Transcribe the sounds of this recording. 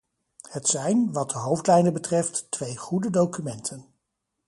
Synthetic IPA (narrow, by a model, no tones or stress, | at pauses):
hətsɛjnʋɑt̚dəɦowftlɛjndəbətrɛftːʋejχudədowkymɛntʰən